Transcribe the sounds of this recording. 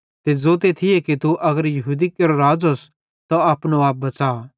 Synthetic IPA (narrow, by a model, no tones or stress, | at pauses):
t̪ed͡zoːt̪̬et̪ʰɪjekit̪uʔɐɡəɾjɐɦuːd̪ikɐɾoɾaːd͡zɦos | t̪oaːpnoaːp̚bɐt͡saː